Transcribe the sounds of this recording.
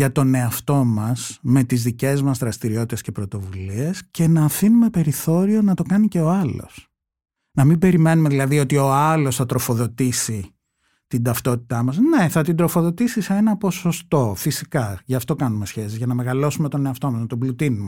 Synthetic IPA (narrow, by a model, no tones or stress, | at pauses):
ʝɐt̪o̞ne̞ɐft̪o̞mɐsme̞t̪izðice̞zmɐzðɾɐst̪iɾio̞t̪it̪e̞sce̞pɾot̪o̞vulie̞sce̞nɐːfinume̞pe̞ɾiθo̞ɾio̞nɐt̪o̞kɐnice̞o̞ɐlo̞̰s | nɐmibe̞ɾime̞nume̞ðilɐðio̞t̪io̞ɐlo̞sθɐt̪ɾo̞fo̞ðo̞t̪isi | t̪ind̪ɐft̪o̞t̪i̥t̪ɐmɐzne̞θɐt̪ind̪ɾo̞fo̞ðo̞t̪isiseenɐpo̞so̞st̪o̞fisikɐʝɐːft̪o̞kɐnumesçe̞sizʝɐnɐme̞ɣɐlo̞sumet̪o̞ne̞ɐft̪o̞mɐznɐt̪o̞blut̪inume